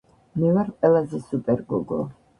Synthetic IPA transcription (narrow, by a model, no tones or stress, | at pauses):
mɛvaɾqʼwɛlazɛsupʼɛɾɡɔɡɔ̰